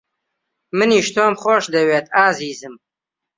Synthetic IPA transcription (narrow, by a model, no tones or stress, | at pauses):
mɨniːʃt̪ʰoːmχoːʃd̪ɐweːt̪aːziːzɨm